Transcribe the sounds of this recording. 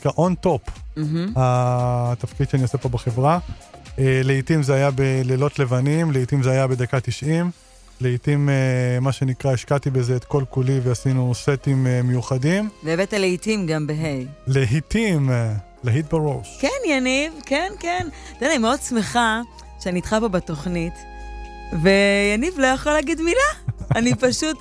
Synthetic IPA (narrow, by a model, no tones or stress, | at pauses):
kaʔont̪o̞pm̩ɦ̩at̪afkid̪ʃeaniose̞po̞beχevʁa | eleitimzeajabelelo̞t̪le̞vanimleitimzeajabe̞d̪akat̪iʃʔim | leitimemaʃe̞nikʁaeʃkat̪ibezeet̪ko̞lkuliveasinuset̪imemejuχadimveːvet̪aleitimɡambeɦejleɦit̪im | leɦit̪̚baʁowʃkenjanivkenkend̥̪elanimeod̚smeχa | ʃeaniːt̪χapo̞beto̞χnit | ve̞janivlojaχolaːɡid̪milaanipaʃut